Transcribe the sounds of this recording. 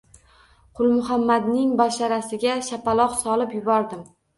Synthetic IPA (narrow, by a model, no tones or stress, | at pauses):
qʰʊlˠmʊɦamːad̪nɪŋbɒʃaɾasɪɡʲaʃapalˠɒqsɒlˠɪpjʊbɒɾd̪ɪm